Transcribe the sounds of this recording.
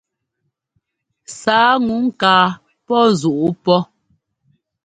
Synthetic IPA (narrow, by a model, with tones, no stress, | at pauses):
saː˨˦ŋu˨˦ŋ̩˦kaː˨˦ | pɔ˦zu˨ʔu˦pɔ˦